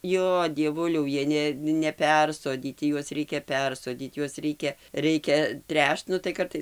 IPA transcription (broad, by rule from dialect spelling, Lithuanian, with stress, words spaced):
ˈjoː dʲiɛˈʋʊlʲɛʊ ˈjiɛ ˈnʲɛ nʲɛˈpʲɛrsoːdʲiːtʲɪ ˈjuɔs ˈrʲɛɪkʲɛ ˈpʲɛrsoːdʲiːt ˈjuɔs ˈrʲɛɪkʲɛ ˈrʲɛɪkʲɛ ˈtʲrʲæːʃt ˈnʊ tɐɪ ˈkɐrtɐɪs